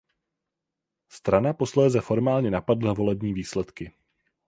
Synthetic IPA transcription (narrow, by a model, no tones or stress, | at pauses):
st̪ɾanapo̞slɛːzɛfo̞ɾmaːlɲɛnapadl̩navo̞lɛbɲiːviːslɛt̪kɪ